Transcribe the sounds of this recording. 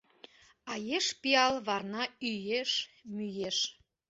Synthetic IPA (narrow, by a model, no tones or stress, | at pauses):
ɑjeʃpiɑlβɑrnɑyjeʃmyjeʃ